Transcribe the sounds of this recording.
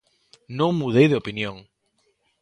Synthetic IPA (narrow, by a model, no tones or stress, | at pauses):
nõŋmuðejðeopinjõŋ